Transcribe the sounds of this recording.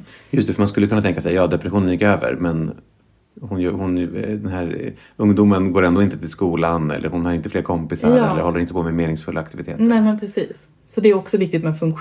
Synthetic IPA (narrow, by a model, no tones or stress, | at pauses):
jɵst̪ɛfœɾmanskɵlːəkʰɵnːat̪ɛŋkasɛjɑːd̪ɛpɾɛɧuːnənjɪkːøːvə̰ɾmɛn | hʊnjhʊnd̪ɛnɦæːɾ | ɵŋd̪umənɡoːɾɛnd̪oːɪnt̪ət̪ʰɪlskuːlanɛ̰lːə̰ɾhʊnhaɾjɪnt̪əfleːɾkʰɔmpɪsaɾɛlːəɾhɔlːəɾɪnt̪əpʰɔmɛmeːnɪŋsfɵlːaːkt̪ɪvɪt̪ʰḛːt̪nɛːmɛnpʰɾɛsiːsː | ɔd̪ɛːɾɔksɔvɪk̚t̪ɪt̪mɛfɵŋkɧ